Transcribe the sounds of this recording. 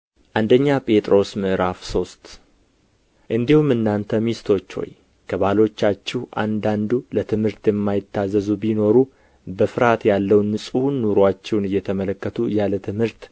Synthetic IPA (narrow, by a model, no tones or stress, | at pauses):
ʔand̪əɲːapʼe̞t̪ʼɾo̞smɨʔɾafso̞st̪ | ʔɨnd̪ihumːɨnːant̪ʰəmist̪ʰo̞t͡ʃːho̞̰j | kʰəβalo̞t͡ʃːat͡ʃːɪhʔa̰nd̪and̪ulət̪ʰɨmhɨɾt̪jɛmːajɪt̪ːazəzubino̞ɾu | bəfɨɾat̪jalːəwnːɨsʼunːuɾwat͡ʃːɛwnɨjːɛt̪ʰəmələkːət̪ʰujalət̪ʰɨmhɨɾt̪